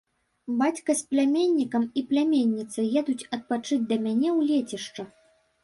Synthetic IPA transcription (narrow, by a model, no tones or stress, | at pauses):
bat͡sʲkɐsplʲamʲenʲːikɐmiplʲamʲenʲːit̪sɨjɛd̪ut͡sʲɐt̪̚pat͡ʂɨd͡zʲd̪ɐmʲanʲɛwlʲet͡sʲɛʂt͡ʂɐ